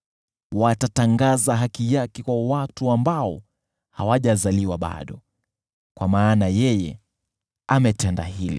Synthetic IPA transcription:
watataŋɡazaɦakijakɛkwawatuambaɔ | hawaʄazaliwaɓa̰ɗɔ | kwamaːnajɛjɛ̰ | amɛtɛnda̰hilḭ

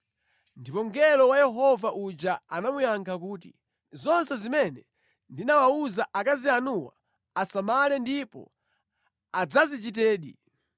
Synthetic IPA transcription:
ndipɔŋ̩ɡɛlɔwajɛɦɔvaʔud͡ʒaanamujaŋkʰakuːtḭ | zɔnsɛzimɛnɛ | ndinawauzaʔakazianuwa̰ | asamalɛndipɔ̰ | ad͡zazit͡ʃitɛːɗḭ

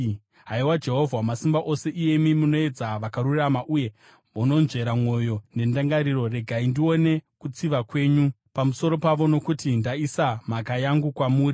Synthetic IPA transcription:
ɦaiwad͡ʒe̞ɦo̞vʱwamasimbaʔo̞se̞ʔije̞mimuno̞e̞d͡zaʋakaɾuramaʔuje̞ | muno̞nʐe̞ɾamwo̞jo̞ne̞ndaŋɡaɾiro̞re̞ɡʱaindio̞ne̞kut͡siʋakwe̞ːɲu | pamuso̞ɾo̞paʋo̞no̞kutindaisamakajaŋɡukwamuːri

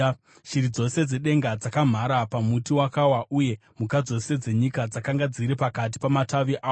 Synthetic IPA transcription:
ʃiɾid͡zo̞se̞d͡ze̞ɗe̞ŋɡad͡zakam̤aɾapamutiwakawaʔuje̞ | mukad͡zo̞se̞d͡ze̞ɲikad͡zakaŋɡad͡ziɾipakat̬i̥pamataʋiʔaːo

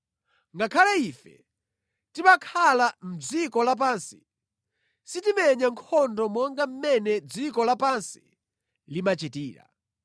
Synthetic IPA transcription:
ŋɡakʰalaiːfɛ̰ | timakʰalam̩d͡zikɔlap̬aːnsi̥ | sitimɛɲaŋkʰɔndɔmɔŋɡam̩mɛnɛd͡zikɔlapansi̥ | limat͡ʃitiːɾa̰

